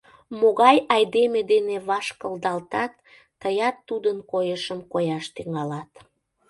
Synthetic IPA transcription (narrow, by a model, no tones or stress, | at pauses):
moɣɑjɑjd̪emed̪eneβɑʃkəld̪ɑlt̪ɑt̪ː | əjɑt̪ːud̪ənkojəʃəmkojɑʃt̪yŋɑlɑt̪